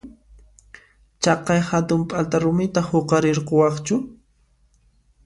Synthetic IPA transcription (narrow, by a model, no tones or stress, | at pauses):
t͡ʃɑqɑjhat̪ʊmpʼalt̪aɾʊmɪt̪ahoqɑɾeɾqowɑχt͡ʃʊ